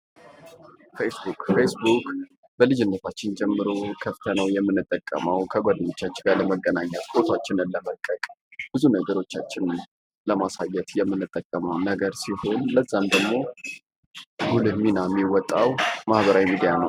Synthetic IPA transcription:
fesbukfesbuk | b̥əlɨd͡ʒɪnːət̪ʰat͡ʃːɪnd͡ʒɛmːɨɾokʰəft̪ʰənəwjɛmːɨnːɨt̪ʼːəkʼːə̰məwkʰəɡʷad̪əɲo̞t͡ʃːat͡ʃːɪɡaləməɡːənaɲːət̪kʰot̪ʰat͡ʃːɪnɨnləməkʼːəkʼb̥ɨzunəɡəɾo̞t͡ʃːat͡ʃːɪn | ləmasajːɛt̪jɛmːɨnːɨt̪ʼːəkʼːəməwnəɡəɾsiho̞nləzːamd̪əɡmo̞ | ɡulɨmːinamːiwɔt̪ʼːawmahβəɾawjimid̪ijanəw

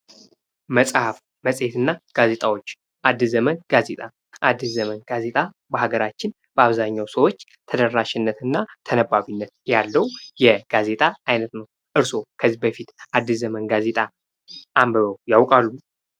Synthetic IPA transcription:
məsʼhaf | məsʼet̪ɨnːaɡ̥aze̞t̪ʼawo̞t͡ʃː | ʔad̪ːɨzəmənɡ̥aze̞t̪ʼa | ʔad̪ːɨzəmənɡ̥aze̞t̪ʼa | bəhaɡəɾat͡ʃːɪn | b̥əaβzaɲːawsəwo̞t͡ʃː | t̪ʰəd̪ərːaʃɪnːət̪ɨnːat̪ʰənəbaβinːət̪jalːəwjɛɡ̥aze̞t̪ʼaajnət̪nəw | ʔɨɾso̞kʰəzibəfit̪ʔad̪ːɨszəmənɡaze̞t̪ʼa | ʔambəɾowjawkʼalːu

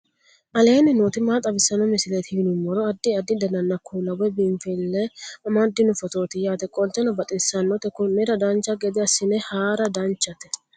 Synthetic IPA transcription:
ʔɐle̞ːnɪnoːt̪ɪmaːt̪ʼɐbɪsːɐnɔmɪsɪlet̪ɪhɪnʊmːɔɾɔɐd̪ːɪɐd̪ːɪd̪ɐnɐnːɐkʰːulɐwɛbiɱfɛlːɛɐmɐd̪ːɪnʊfɔt̪o̞ːt̪ɪjaːt̪ɛkʼɔlt̪ːɛnɔbɐt̪ʼɪsːɐnːɔt̪ɛkʊnːɛɾɐd̪ɐnt͡ʃːɐɡɛd̪ɪɐsːɪnɛhaːɾɐd̪ɐnt͡ʃːɐt̪ɛ̥

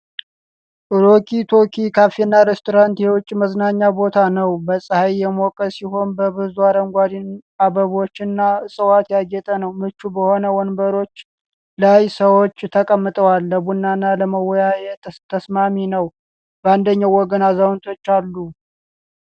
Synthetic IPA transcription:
ʔɨɾokʰit̪ʰo̞kʰikʰafenːaɾest̪ʰoɾant̪jɛwʊt͡ʃʼːməznaɲːabo̞t̪ʰanəwbəsʼɨhajjɛmokʼːəsiɦo̞nbəβɨzuaɾəŋɡʷad̪inaβəβo̞t͡ʃːɨnːaɨsʼɨwat̪jaɡɛt̪ʼənəwmɨt͡ʃːubəho̞nəwɔnbəɾo̞t͡ʃː | lajsəwot͡ʃːt̪ʰəkʼəmːɨt̪ʼəwalːəbunːanːaləməwɔjajɛt̪ʰəsmaminəw | bəand̪əɲːawɔɡənazawnt̪ʰo̞t͡ʃːalːu

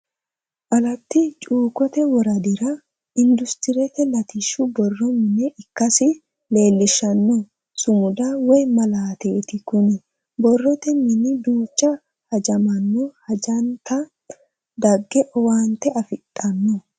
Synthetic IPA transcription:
ʔɐlɐt̪ːɪt͡ʃʼuːkɔt̪ɛwɔɾɐd̪ɪɾɐ | ɪnd̪ʊst̪ɪɾɛt̪ɛlɐt̪ɪʃːʊbɔrːɔmɪnɛʔɪkːɐsɪ | le̞ːlːɪʃːɐnːɔ | sʊmʊd̪ɐwɔjmɐlaːt̪e̞ːt̪ɪkʊnɪ | bɔrːɔt̪ɛmɪnɪd̪uːt͡ʃːɐ | hɐd͡ʒɐmɐnːɔhɐd͡ʒɐnt̪ɐ | d̪ɐɡːɛʔɔwaːnt̪ːɛɐfɪt̪ʼːɐnːɔ

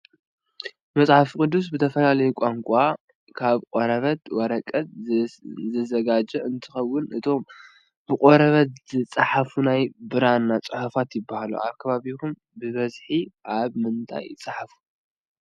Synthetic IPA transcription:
mɐt͡sʼħafikʼɨd̪ːus̬bɨt̪ʰɐfɐlalɐjkʷʼaŋkʷʼa | kʰaβkʼoɾɐβɐt̪wɐɾɐkʼɐt̪ | zɐzɐɡad͡ʒɐɨnt̪ʰɨxɐwːʊnʔɨt̪ʰo̞m | b̥ɨkʼoɾɐβɐt̪z̥ɨt͡sʼaħafunajbɨɾanːat͡sʼɨħufat̪jɪbːahalṵʔa̰βkʰɐβaβikum | bɨβɐzħiʔaβmɨnt̪ʼʰa̰jɪ̰t͡sʼaħafu̥

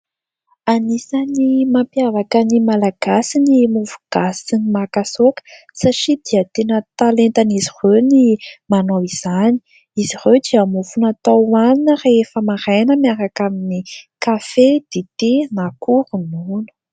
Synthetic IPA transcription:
anisanimampjavakənimalaɡ̥asinimuvuɡ̥asinimakasokə̥ | saʈ͡ʂid̪̥iət̪enət̪alent̪anizirewnimanowiz̥ani̥ | izirewd̪iamufunat̪aaninərefəmaɾajnəmaɾakaminikafed̪̥et̪enakuɾununə̥

